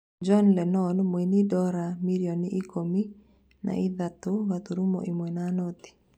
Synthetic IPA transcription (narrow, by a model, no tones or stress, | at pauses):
d͡ʒɔnlɛnɔnmwenidɔɾamiɾjonɪʔːkomi | na̰ɪd̪at̪ʊwat̪uɾumɔ̰ʔimwɛnanɔt̪i̥